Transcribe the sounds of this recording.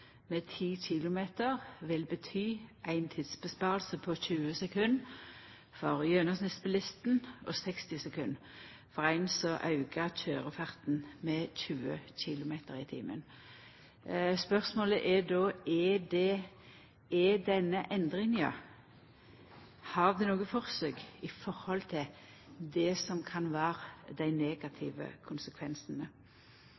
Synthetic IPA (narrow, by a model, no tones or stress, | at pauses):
met̪ʰiːçɪlʊmeːt̪əʁʋɪlbət̪ʰyːʔæɪnt̪ʰiːd̪sbəspɑːʁlsəpʰɔçʉːəsɛkʰʉnː | fɔʁjøːnəsnɪspʰəlɪst̪nʔɔsɛkst̪ɪsɛkʰʉnː | fɔʁæɪnsɔʔɑʉɡəc͡çøːʁəfɑʁt̪n̩mɛçʉːə̰çɪlʊmeːt̪əʁɪt̪ʰḭːmə̰n | spœʁsmoːləʔɛd̪oːɛdɛ | ɛd̪ɛnːəʔɛnd̪ʁɪŋɑ̰ | hɑʁd̪ɛnoːɡəfɔʁsøːɡɪfɔʁhɔlt̪ʰɪl | d̪ɛsɔmkʰɑnʋæːʁəd̪æɪneːɡɑt̪ʰɪ̰ʋə̰kʰʊnsəkʰʋɛnsənə